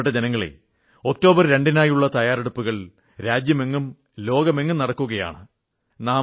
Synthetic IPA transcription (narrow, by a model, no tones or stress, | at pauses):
ʈːɐd͡ʑenɐŋːɐɭḛ | o̞k̚to̞ːbɐrɾe̞ɳɖinaːjuɭːɐt̪ɐjaːɾeɽupːuɣɐɭ | ɾaːd͡ʑjɐme̞ŋːum | lo̞ːɡɐmeŋːumnɐɽɐkːuɣɐja̰ːɳɨ | naː